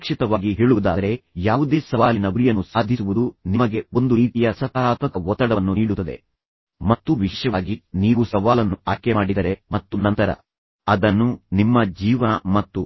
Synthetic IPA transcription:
kʂit̪ɐʋaːɡiɦeːɭuud̪a̰ːɐɾejaːʋud̪esɐʋaːlinɐɡuɾijɐnːusaːd̪ʱisuʋud̪unimɐɡe̞o̞nd̪uɾiːt̪ijɐsɐt̪aːɾaːt̪mɐkɐɔt̪ːɐɽɐnːuniːɽut̪ːɐd̪e̞̰ | mɐt̪ːuʋiʃjɐʋːɡiniːʋusɐʋaːlɐnːuaːkemaːɽid̪ɐɾe̞mɐt̪ːunɐnt̪ɐɾɐ̰ | ɐd̪ɐnːunimːɐd͡ʒiːʋɐnɐmɐt̪ːu

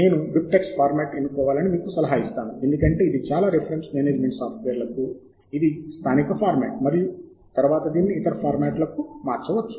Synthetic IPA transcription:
ne̞ːnuʋip̚ʈekspʰaːɾmaːʈenːukɔːʋaːlɐnimiːkusɐlɐɦaːist̪aːnue̞nd̪ukɐɳʈe̞ːid̪it͡ʃaːlaːɾepʰɐɾeɳsmeːneːd͡ʒmeɳʈsaːpʰʈʋeːɾlɐku | id̪ist̪ʰaːnikɐpʰaːɾmaːʈ̚mɐɾiju | t̪ɐɾuʋaːt̪ɐd̪iːnːiːt̪ɐɾɐpʰaːɾmaːʈlɐkumaːɾt͡ʃɐʋɐt͡ʃːu̥

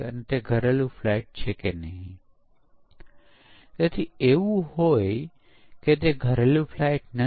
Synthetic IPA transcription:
ə̰net̪eɡʱəɾelũflaiʈ̚t͡ʃʰekenəɦĩ | t̪et̪ʰieʋũhoj | ket̪eɡʱəɾelũfʰlajʈnə

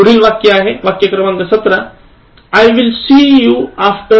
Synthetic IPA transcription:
uɽiːlʋakjɐaɦeʋakjəkɾɐmãŋɡ̪əsɐt̪ɾa | ajʋilsiːjuafʈə

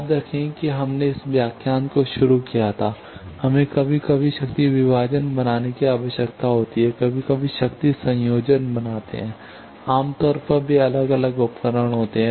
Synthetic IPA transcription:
aːp̚d̪eːkʰẽkiɦɐmneɪsʋjaːkʰjaːnkoʃʊɾukijat̪ʰaː | hɐmẽkɐbʱikɐbʱiʃɐkt̪iʋɪbaːd͡ʒənbɐnaːnekiaːʋəʃjəkt̪aɦoːt̪iɦɛkɐbʱikɐbʱiʃɐkt̪isɐ̃joːd͡ʒənbɐnaːt̪ḛɦɛ̃ː | aːmt̪ɔːɾpəɾbʱiɐləɡɐləɡʊpkəɾəɽ̃ɦoːt̪eɦɛ̃ː

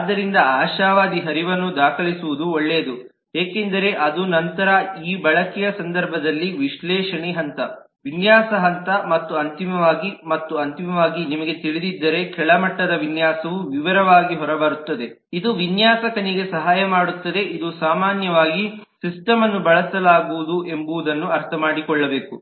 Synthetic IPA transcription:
aːd̪ːɐɾind̪ɐaːʃaːʋaːd̪iɦɐɾiʋɐnːud̪aːkʰɐɭisuʋud̪uɔɭːeːd̪u | ɦeːkend̪ɐɾe̞ʔɐd̪unɐnt̪ɐɾɐiːbɐɭɐkijɐsɐnd̪ɐɾbʱɐd̪ɐlːiʋiʃlɛːʃɐɳiɦɐnt̪ɐ | ʋinjaːsɐɦɐnt̪ɐmɐt̪ːuɐnt̪imɐʋaːɡimɐt̪ːuɐnt̪imɐʋaːɡinimɐɡe̞t̪iɭid̪id̪ːɐɾe̞kɛɭɐmɐʈːɐd̪ɐʋinjaːsɐʋuʋiʋɐɾɐʋaːɡiɦɔɾɐbɐɾut̪ːɐd̪e̞ | id̪uʋinjaːsɐkɐniɡe̞sɐɦaːjɐmaːɽut̪ːɐd̪e̞ʔid̪usaːmaːnjɐʋaːɡisisʈɐmɐnːubɐɭɐsɐlaːɡuʋud̪uʔe̞mbuʋud̪ɐnːuɐɾt̪ʰɐmaːɽikɔɭːɐbe̞ːku

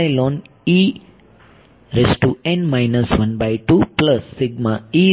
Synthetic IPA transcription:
jloːn | i | ɾesʈuɛ̃ɳɖmajnəsʋɐnbajʈuːplɐsːɪɡmai

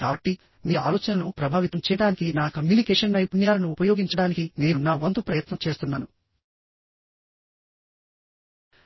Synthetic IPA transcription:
aːʋɐʈːi | miːa̰ːlɔːt͡ʃɐnɐnupɾɐbʱaːʋit̪ɐmt͡ʃɛːjɐɽaːnikinaːkɐmjuːnikɛːʂɐnnɐjpumiaːlɐnuːpɐjoːɡiɲt͡ʃɐɽaːnikine̞ːnunaːʋɐnd̪upɾɐjɐt̪nɐmt͡ʃe̞ːst̪unːaːnu

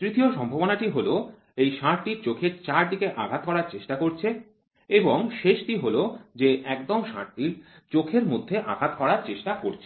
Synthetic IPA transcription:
t̪ɾit̪ioʃɔmbʱabonaʈiɦolo | ejʃaɾʈiɾt͡ɕokʰeɾt͡ɕaɾd̪ikeʔaɡʱat̪kɔɾaɾt͡ɕeʃʈakoɾt͡ɕʰe | eboŋʃeʃʈiɦolod͡ʑeʔɛkd̪omʃa̰ɾʈiɾ | t͡ɕokʰeɾmod̪ʱːeʔa̰ɡʱat̪kɔɾaɾt͡ɕeʃʈakoɾt͡ɕʰe

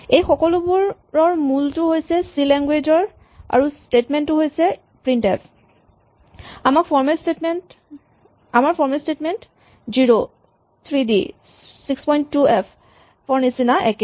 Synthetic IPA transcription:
ejxɔkɔlubuɹ | ɹɔɹmultʊɦojsɛsilɛŋɡwed͡ʒɔɹ | a̰ɹustetmɛntːʊɦojsɛ | pɹintɛpʰ | amakpʰɔɹmɛlstetmɛnt | amaɹpʰɔɹmɛlstetmɛnt | ziɹo | t̪ʰɹidḭ | sikspɔjntːuɛpʰ | pɔɹnisinaʔɛkɛ

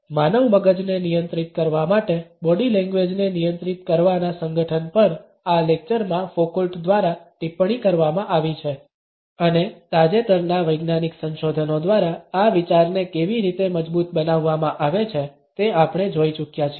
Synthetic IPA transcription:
manəʋməɡəd͡ʒnenijənt̪ɾit̪̚kəɾʋamaʈebɔɖilɛ̃ŋɡʋed͡ʒnenijənt̪ɾit̪kəɾʋanasəŋɡəʈʰənpəɾ | alek̚t͡ʃəɾmãfokəlʈd̪ʋaɾaʈipɽ̃ikəɾʋamãʔaʋit͡ʃʰe | ənet̪ad͡ʒet̪əɾnaʋəjɡnaniksə̃nʃod̪ʱənod̪ʋaɾaaʋit͡ʃaɾnekeʋiɾit̪eməd͡ʒbut̪bənaʋːamãʔaʋet͡ʃʰe | t̪eapɽ̃ed͡ʒoit͡ʃukjat͡ʃʰie

